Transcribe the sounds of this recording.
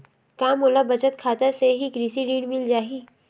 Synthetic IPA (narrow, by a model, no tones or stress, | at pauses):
kaːmoːlabɐt͡ʃət̪kʰaːt̪əseɦikɾisiɖiːɖmɪld͡ʒaːɦiː